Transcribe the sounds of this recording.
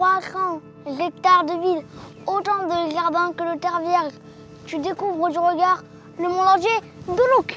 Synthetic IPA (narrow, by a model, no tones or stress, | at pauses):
twasɑ̃ | ʒɛk̚t̪aʁd̪əvil | ot̪ɑ̃d̪əʒaʁd̪ɛ̃kələt̪ɛʁvjɛʁʒ | t̪yd̪ekuvʁəd̪yʁəɡaʁ | nəmɔ̃lɔʁʒe | d̪uluk